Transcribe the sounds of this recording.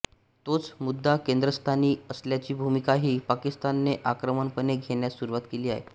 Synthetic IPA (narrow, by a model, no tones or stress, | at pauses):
t̪ot͡smud̪ʱːakend̪ɾəst̪ʰaniːəsljat͡ɕiːbʱumikaɦiːpakist̪anːeʔakɾəməɳpəneɡʱeɳjasuɾuʋat̪keliːa̰ɦḛ